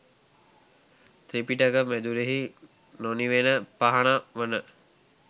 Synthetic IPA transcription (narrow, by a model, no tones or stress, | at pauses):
t̪ɾipiʈəkəmæd̪uɾeɦi | noniʋenəpaɦanaʋənə